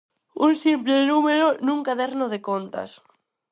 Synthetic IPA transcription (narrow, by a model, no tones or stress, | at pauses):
unsimplenumeɾonuŋkaðeɾnoð̞ekont̪a̰s